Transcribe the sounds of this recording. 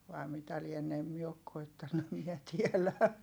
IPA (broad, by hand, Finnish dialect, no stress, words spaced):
ʋɑi̯ mitæ lienːe em mie ok koitːɑnːu em miɛ tielæ